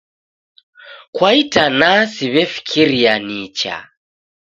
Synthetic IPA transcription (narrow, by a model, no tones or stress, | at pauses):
kwaitanasiβɛfi̥kʰiɾianit͡ʃa̰